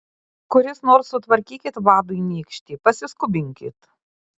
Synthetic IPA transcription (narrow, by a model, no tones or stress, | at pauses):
kʊɾʲɪsnoːɾsːʊt̪ʋɐɾʲkʲiːkʲɪt̪ʋɑːd̪ʊɪnʲiːkʃʲt̪ʲiːpɐsʲɪskʊbʲɪŋʲkʲɪ̰t̪